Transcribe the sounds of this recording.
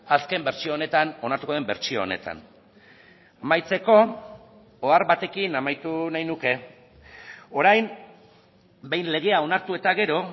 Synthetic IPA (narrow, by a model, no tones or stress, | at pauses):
aske̞mbe̞ɾt͡ʃioːne̞t̪ano̞naɾt̪ukoðembe̞ɾt͡ʃio̞̰ːne̞̰t̪a̰n | amajt͡se̞ko̞ | oaɾβat̪e̞kinamajt̪unajnuke̞ | o̞ɾajm | be̞jnle̞ɣ̞e̞ao̞naɾt̪ue̞t̪aɣe̞ɾo̞